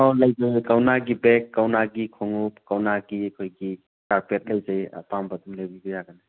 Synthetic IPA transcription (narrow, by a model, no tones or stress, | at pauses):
alajzajkawnaɡibekːawnaɡikʰoŋup̚kawnaɡikʰojɡi | kaɾpet̚lɐjzaja̰pambɐdumlebibijaɡana